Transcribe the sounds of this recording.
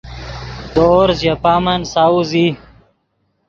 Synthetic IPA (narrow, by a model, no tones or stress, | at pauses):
d̪oːɾzjɐpaːmɐnsaːuzi